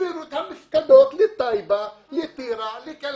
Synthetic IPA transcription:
iɾut̪ʰɐmiskɐd̪oːt̪lit̪ːaibalit̪iɾalikel

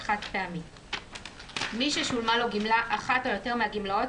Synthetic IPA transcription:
χatpeamit | miʃeʃulmalo̞ɡimlaʔaχato̞jote̞ʁmeaɡimlao̞t

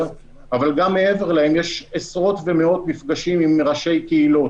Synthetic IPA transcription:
avalɡamːe̞eve̞ʁlahe̞mjeʃesʁo̞t̪vemeo̞t̪mifɡaʃimimʁaʃe̞jkeilo̞

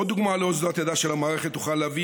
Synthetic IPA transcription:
od̪uɡmaleozdat̪jad̪aʃelamaːʁeχet̪uχaleavi

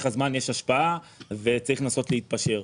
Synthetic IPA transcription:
χazmanjeʃaʃpaave̞t͡saʁiχnaːso̞tleit̪̚paʃe̞ʁ

